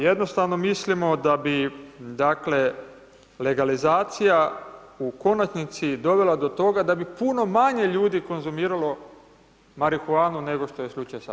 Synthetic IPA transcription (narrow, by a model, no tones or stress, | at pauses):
je̞d̪no̞st̪aʋno̞mislimo̞d̪abid̪akle̞ | le̞ɡalizaːt̪sija | uko̞nat͡ʃnit̪sid̪o̞ʋe̞lad̪o̞t̪o̞ɡad̪abipuno̞maɲe̞ʎuːd̪iko̞nzumiːɾalo̞ | maɾixuaːnune̞ɡo̞ʃt̪o̞je̞slut͡ʃajosa̰